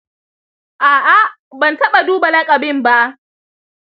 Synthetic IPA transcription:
ʔaː˨ʔa˦ | bɐ˨ntɐ˦ɓa˨duː˦ba˨lɐ˦kʼa˨bɪ˦˨mba˦ʔ

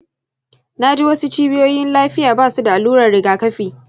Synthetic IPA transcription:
na˦d͡ʒe˦wɐ˦su˦t͡ʃiː˦bɪ˦joː˦jɪ˦nlaː˦ɸɪ˦jaː˨baː˦˨su˦da˨ʔa˨luː˦ɾɐ˨rɽɪ˨ɡaː˨kɐ˦ɸiː˨

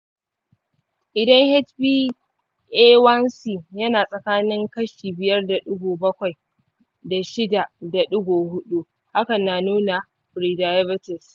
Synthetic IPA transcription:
ʔɪ˨dɐ˦ŋhɛ˦tɸiː˦ | ʔeː˦wɐ˦nsiː˨jɐ˦naː˨sʼɐ˨kaː˦nɪ˦ŋkɐ˦ʃiː˨bɪ˨jɐ˦rda˨ɗʊ˦ɡʷoː˨bɐ˦kʷa˨j | da˨ʃɪ˦da˨da˨ɗʊ˦ɡʷoː˨hʊ˦ɗu˦ | ha˦kɐ˨nːa˨nuː˦na˨ | ɸɾiː˨daː˨jɐ˦bɪ˦tɪ˨s

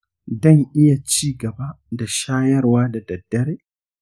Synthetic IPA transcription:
dɔ˦˨ŋʔɪ˦ja˨t͡ʃiː˦ɡɐ˨ba˦ | da˨ʃaː˦jɐ˦rwaː˦da˨dɐ˨dːɐ˦ɾeː˦

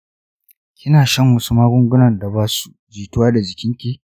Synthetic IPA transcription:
kʲɪ˦naː˨ʃɐ˦ŋwʊ˦su˦maː˦ɡʷʊ˦ŋɡʷʊ˦nɐ˨nda˨baː˦su̥˦d͡ʒiː˨tʊ˦waː˦da˨d͡ʒɪ˨kʲɪ˦ŋkʲiː˦

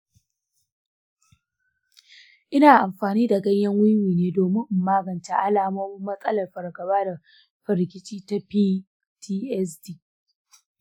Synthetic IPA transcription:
ʔɪ˦naː˨ʔa˨mɸaː˨niː˦da˨ɡɐ˦jjɐ˦ŋwʊ˦nwiː˨neː˦doː˨mɪ˦ŋ˨maː˦ɡɐ˨nta˨ʔa˦laː˨moː˦mɪ˦mːɐ˦sʼɐ˦lɐ˨rɸɐ˨rɡɐ˨baː˦da˨ | ɸɐ˨ɾkʲʼɪ˦t͡ʃiː˦ta˦pi˦ | tʰiː˦ʔɛ˦s̬tiː˦˨

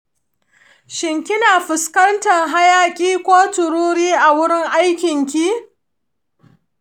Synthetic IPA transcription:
ʃɪ˨ŋkʲɪ˦naː˨ɸɪ˨skɐ˦ntɐ˨ŋɦa˦jaː˦kʲʼiː˦kʷoː˦tʊ˨ɾuː˦ɽiː˦ʔa˨wʊ˦ɽɪ˦ŋʔa˦jkʲɪ˨ŋkʲi˦

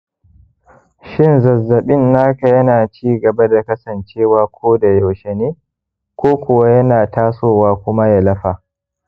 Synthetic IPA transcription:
ʃɪ˦nzɐ˨zːɐ˨ɓɪ˦nːaː˦ka˨jɐ˦naː˨t͡ʃiː˦ɡɐ˨ba˦da˨kɐ˦sɐ˨nt͡ʃeː˦waː˦kʷʰoː˦da˨jo˨ʃɛ˨neː˦ | kʷoː˦kʷʊ˨wa˦jɐ˦naː˨taː˦soː˦waː˦kʷʊ˦ma˦ja˨lɐ˦ɸa˨

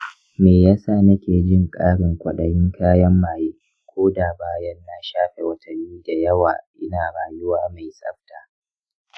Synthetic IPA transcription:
meː˨jaː˦saː˦˨nɐ˦kʲeː˨d͡ʒɪ˦ŋkʼaː˦ɽɪ˨ŋkʷɐ˨ɗɐ˨jɪ˦ŋkʰaː˦jɐ˦mːaː˨jeː˦ | kʷʰoː˦daː˨baː˦jɐ˦nːa˦ʃaː˦ɸe˨wɐ˦tʰɐ˨miː˦da˨jɐ˦wa̰ː˨ʔɪ˦naː˨ɽaː˨jʊ˦waː˦ma˨jsʼɐ̰˦ɸtaː˨

